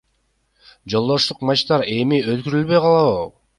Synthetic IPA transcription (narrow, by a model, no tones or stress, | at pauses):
d͡ʒo̞lˠd̪o̞ʃt̪uqmɑt͡ʃt̪ɑɾe̞miøt̪̚kyɾylβø̞jqɑlˠɑvɯ